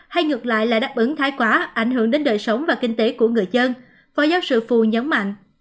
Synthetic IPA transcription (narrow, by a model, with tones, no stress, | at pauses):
ha˧jŋɨ˨˩ək̚la̰ː˧˨jla̰ː˧˨˩ɗaː˦˥p̚ʔɨ˨˦ŋt̪ʰaː˨˦jkwaː˨˦ʔa˧˩jŋ̟hɨ˧˩əŋɗe˨˦nɗəː˨˩jsə˨˦wŋ͡mvaː˨˩kï˧ŋ̟t̪e˨˦ku˧˩əŋɨ˨˩əjzə˧n | fɔː˨˦jzaː˨˦wsɨ̰˧˨fu˨˩ɲə˨˦nma̰˧˨jŋ̟ʔ